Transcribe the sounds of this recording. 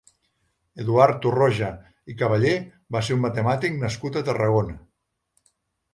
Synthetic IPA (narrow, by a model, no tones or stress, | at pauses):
eðuaɾt̪uroʒə | ikəβəʎe | βaseɾummət̪əmat̪iknəskut̪ət̪ərəɣ̞onə